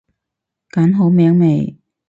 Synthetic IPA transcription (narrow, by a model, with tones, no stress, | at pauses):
kaː˨˥nɦo˨˥wmɛː˨˧˥ŋme˨˩j